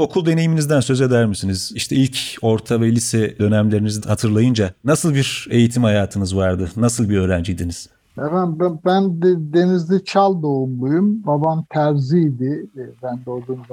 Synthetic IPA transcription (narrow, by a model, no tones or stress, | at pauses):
o̞kʰulˠd̪e̞ne̞jiminizd̪ænsø̞ze̞d̪æɾmisiniz̥iʃt̪ʰɛilʲcʰo̞ɾt̪ʰavɛlʲisɛd̪ø̞næmlʲe̞ɾinizihat̪ʰɯɾlˠajɯnd͡ʒanasɯlˠbiɾe̞jit̪ʰimhajaːt̪ʰɯnɯzvaɾd̪ɯnasɯlˠbiɾø̞ːɾænd͡ʒijd̪iniz̥ | efænbæbænd̪d̪e̞nizd̪it͡ʃʰalˠd̪omlˠujumbabant̪ʰæɾzid̪ɪbænd̪olˠumd̪a